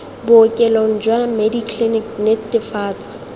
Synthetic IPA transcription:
bʊːkʼɛloŋ̩d͡ʒwamedikʰliniknetɪfaːt͡sʼḁ

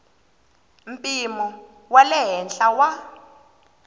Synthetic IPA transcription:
m̩pʼimu | walɛɦɛnɬʼawa

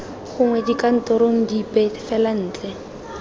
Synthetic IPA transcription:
χʊŋwɛdikan̩tɔɾoŋ̩dipɛfɛlan̩ːt͡ɬʼɛ

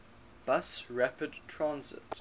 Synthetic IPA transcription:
b̥ʌsɹæpədtʰɹãnzɪ̰t

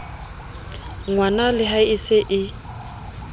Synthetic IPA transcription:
ŋwanalɪɦaiseʔɪ

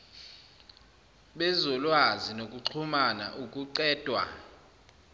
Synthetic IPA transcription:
ɓɛzɔlwazinokʼuǀʰumana̰ʔukʼuǀɛːd̥ʱwa̰

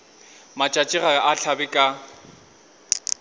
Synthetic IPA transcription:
mat͡ʃʼat͡ʃʼɪɣaʔaɬʰabɪkʼa

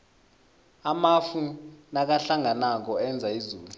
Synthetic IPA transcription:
amafunak̬aɬaŋanak̬ɔɛnd͡zʱaizuːlu

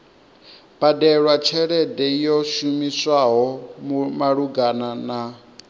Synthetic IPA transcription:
b̥adɛɺwat͡ʃʰɛɺɛdɛjɔʃumiswaɦɔmumaɺuɡanana

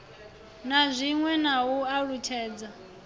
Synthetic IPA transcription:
nazʷiŋwɛnawuaɺutʰɛːd͡za

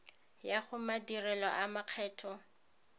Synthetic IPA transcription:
jaχʊmadirɛlɔʔamaq͡χʰɛːtʰɔ

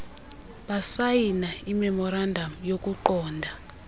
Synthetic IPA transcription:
ɓasajinaimɛmɔɾandʱamujok̬ʼuǃɔːndʱa

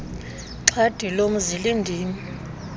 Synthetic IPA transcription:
ǀʰad̥ʱilom̩zilindʱiːmi

